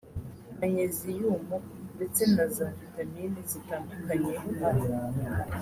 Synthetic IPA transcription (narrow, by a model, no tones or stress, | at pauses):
naɲezijuːmondet͡se̞nazavitaminizitaːndukaɲeɦuɦa